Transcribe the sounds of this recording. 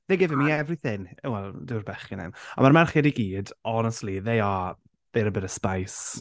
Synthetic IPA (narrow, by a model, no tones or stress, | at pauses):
ðejɡɪvɪmiɛvrɪθɪnwɛlˠdɪwrbɛχinɛ̰mɔmarmarχɪɾiɡiːdɔnəstˡliðejɔ | ðejɾəbədəspajs